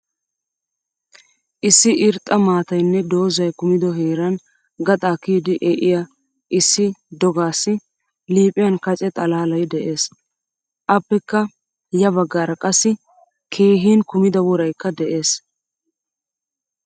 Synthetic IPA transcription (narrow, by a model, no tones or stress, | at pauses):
ʔɪsːɪʔɪɾt̪ʼːɐmaːt̪ɐjnːɛd̪o̞ːzɐjkʊmɪd̪ɔɦeːɾɐn | ɡɐt̪ʼaːkiːd̪ɪʔɛʔɪjɐ | ʔɪsːɪd̪ɔɡaːsːɪ | liːpʼɪjɐnkɐt͡ʃʼɛt̪ʼɐlaːlɐjd̪ɛʔe̞ːs | ʔɐpːɛkːɐ | jɐβɐɡːaːɾɐkʼɐsːɪ | kʰe̞ːɦiːnkʊmɪd̪ɐwɔɾɐjkːɐd̪ɛʔe̞ːs